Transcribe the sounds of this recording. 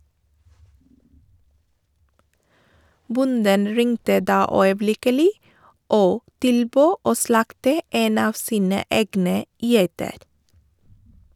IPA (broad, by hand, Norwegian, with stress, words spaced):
ˈbʊndən ˈɹɪŋtə ˈdɑː œʏəˈblɪkəlɪ ˈoː ˈtɪlˌbøː ˈoː ˈslɑktə ˈeːn ˈɑːʋ ˈsiːnə ˈeːɡnə ˈjæɪtəɾ